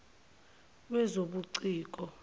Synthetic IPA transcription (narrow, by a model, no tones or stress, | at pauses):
ɓwɛzoɓuǀiːk̬ʼɔ